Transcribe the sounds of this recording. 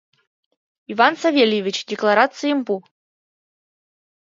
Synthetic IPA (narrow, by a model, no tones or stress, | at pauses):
ivansavʲelʲjɪvʲit͡ɕdʲɪklˠaɾat̪sɨjimpu